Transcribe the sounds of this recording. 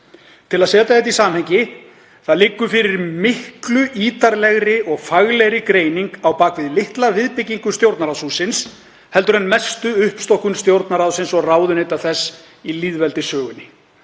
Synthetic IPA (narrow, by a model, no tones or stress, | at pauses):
t̪ʰɪlaðsɛːt̪aɛt̪isaːmhejɲcɪ | θaðlɪkːʏfɪɾɪɾmɪhklʏʔiːt̪aɾlɛɣɾɪʔɔɣfaɣlɛɣɾɪkɾeːjniŋkawpaːkvɪðlɪht̪lavɪðpɪcːiŋkʏst̪jowɾt̪naɾaðsusɪns | hɛlt̪ʏɾɛnmɛst̪ʏʏhpst̪ɔhkʏnst̪jowɾt̪naɾaðsɪnsɔɣraːwðʏnejt̪aθɛsː | iliðvɛlt̪ɪsœːɣʏnːɪ